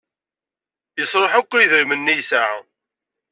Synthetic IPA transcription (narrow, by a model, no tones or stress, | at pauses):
jəsˤɾˤəħakʷːiðəɾmənːijsaʕa̰